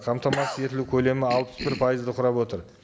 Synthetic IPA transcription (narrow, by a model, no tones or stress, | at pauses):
qʰɑmt̪ɑmɑsəje̞t̪ɪlukʲʰɵle̞mɪɑlˠpə̥sbɪɾpʰɑjəzd̪əqʰʊɾɑpwo̞t̪əɾ